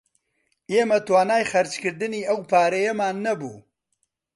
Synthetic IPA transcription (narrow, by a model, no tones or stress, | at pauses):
eːmɐt̪waːnaːjχɐɾt͡ʃkɨɾd̪ɨniːɐwpʰaːɾɐjɐmaːnːɐbṵː